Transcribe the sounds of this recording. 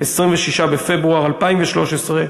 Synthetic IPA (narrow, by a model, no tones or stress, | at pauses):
esʁimveʃiʃabefebʁuaʁalpaimveʃlo̞ʃesʁe